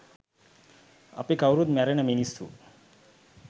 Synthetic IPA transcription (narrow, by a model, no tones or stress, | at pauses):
a̰pikawɾud̪mæɾenəminisṵ